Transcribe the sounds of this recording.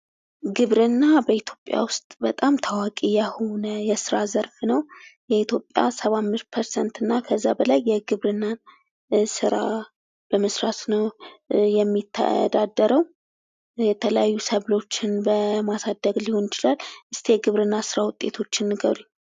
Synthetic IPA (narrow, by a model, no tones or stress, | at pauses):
ɡɨβɾɨnːabəit̪ʰjo̞pʼja̰wʊst̪ʼbət̪ʼamt̪ʰawakʼijaho̞nəjɛsɨɾazəɾfnəwjɛit̪jo̞pʼja̰səβamːɨɾ̚pʰəɾsɛnt̪ɨnːakʰəzːabəlajːɛɡɨβɾɨnːan | sɨɾa | b̥əməsɾat̪nəwjɛmːit̪ʰːa̰d̪ad̪ːəɾəw | jɛt̪ʰələjajːusəβlo̞t͡ʃːɪnbəmasad̪əɡliho̞njɪt͡ʃɪlalːʔɨst̪ʰe̞ɡɨβɾɨnːasɨɾawʊt̪ʼːe̞t̪ʰo̞t͡ʃːɪnːɨɡəβɾi